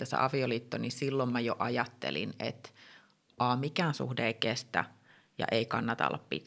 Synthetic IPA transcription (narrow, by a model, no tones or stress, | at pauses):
æsæ̰ʔɑʋioliːt̪ːonisilːommæjoʔɑjɑt̪ːḛlḭnḛt̪ | ʔɑːmikæːnsṵhdeːikest̪æ̰ | jɑ̰ʔeikɑnːɑt̪ɑ̰lːɑ̰ppḭt̪